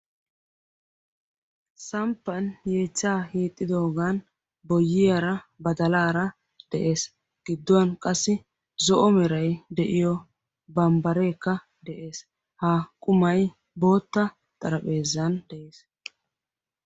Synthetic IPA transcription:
sɐmpːɐnje̞ːt͡sːaːhiːt̪ʼːɪd̪o̞ːɡaːn | bɔjːɪjɐɾɐbɐd̪ɐlaːɾɐ | d̪̥ɛʔe̞ːs | ɡ̥ɪd̪ːɔwɐnkʼɐsːɪ | zɔʔɔmɛɾɐjd̪ɛʔɪjɔ | bɐmbɐɾe̞ːkːɐ | d̪ɛʔe̞ːs | haːkʼʊmɐj | bo̞ːt̪ːɐ | t̪ʼɐɾɐpʼe̞ːzːɐnd̪̥ɛʔe̞ːs

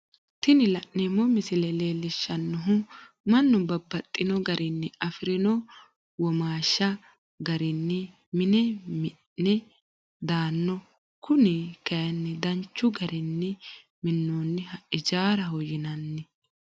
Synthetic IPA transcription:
t̪ɪnɪlɐʔnemːɔmɪsɪlɛleːlːɪʃːɐnːɔɦʊ | mɐnːʊbɐbːɐt̪ʼːɪnɔɡɐɾʔɪnːɛɐfɪɾɪnɔ | wɔmaːʃːɐ | ɡɐɾɪnːɛ | mɪnɛmɪ | ɛ | d̪aːnːɔ | kʊnɛkɐjɐnːɛd̪ɐnt͡ʃːʊɡɐɾɪnːɛ | mɪnːoːnːɪhɐɪd͡ʒaːɾɐɦɔjɪnɐnːɛ

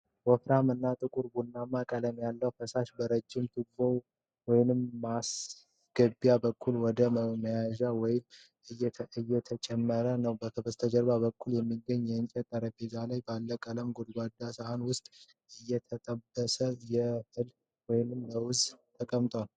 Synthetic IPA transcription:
wɔfɾamɨnːat̪ʼɨkʼuɾbunːamakʼələmjalːəwfəsaʃbəɾəd͡ʒːɪmt̪ʰɨɡ̚bow | wɔjnɨmːas | ɡ̥əbjabəkʰːulwɔd̪əməjaʒawɔjɪm | ɨjɛɨjːɛt̪ʰət͡ʃʼɛmːəɾənəwbəkʰəbəst̪ʰəd͡ʒəɾbabəkːuljɛmːiɡəɲːjɛɨnt͡ʃʼɛt̪ʼːəɾəbed͡ʒalajbalːəkʼələmɡod̪ɡwad̪ːasahanwʊst̪ʼ | ɨjːɛt̪ʰət̪ʼəbːəsəjɛhɨl | wɔjnɨmːəwʊzt̪ʰəkʼəmt̪ʼwal

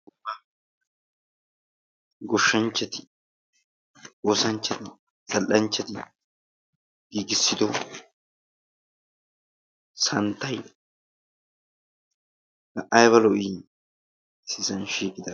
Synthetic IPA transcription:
ɡʊbːɐ | ɡɔʃːɐnt͡ʃːɛt̪ɪ̥ | oːsɐnt͡ʃːɛt̪ɪ | sɐlʔɐnt͡ʃːɛt̪ɪ | ɡ̥iːɡɪsːɪd̪ɔ | sɐnt̪ːɐj | hɐʔɐjβɐlɔʔi | sɪsɐnʃiːkʼɪd̪ɐ

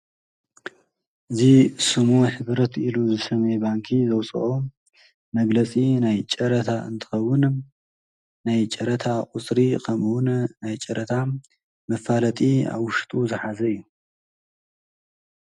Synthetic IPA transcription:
ʔɨzisɨmuħɨβɾɐt̪ʰiluzɨsɐmebaŋkʰizɐwt͡sʼɐ̰ʔo | mɐɡlɐt͡sʼinajt͡ʃʼɐɾɐt̪ʰaɨ̰nt̪ʰɨ̥xɐwːʊn | najt͡ʃʼɐɾɐt̪ʰaqʼʊt͡sʼɾikʰɐmwʊnnajt͡ʃʼɐɾʔɐt̪ʰa | mɐfalɐt̪ʼia̰βwʊʃt̪ʼuzɨħazɐɨjːu

